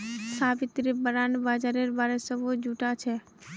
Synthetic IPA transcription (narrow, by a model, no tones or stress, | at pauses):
saːbɪt̪ɾebəɾaːnbaːd͡ʒaɾeɾbaːɾesəbod͡ʒuːʈat͡ʃʰɛ